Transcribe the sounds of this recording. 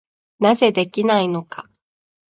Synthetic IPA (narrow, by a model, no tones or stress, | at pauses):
naze̞d̪e̞kʲinaino̞ka